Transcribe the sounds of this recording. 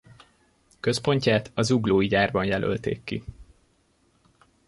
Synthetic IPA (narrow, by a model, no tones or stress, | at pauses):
kø̞spo̞ɲcaːt̪ɒzuɡloːiɟaːrbɒnjɛlʔø̰lt̪ḛːkːḭ